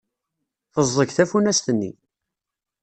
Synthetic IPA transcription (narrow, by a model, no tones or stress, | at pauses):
θəzˤːəçθæfunæst̪ənːḭ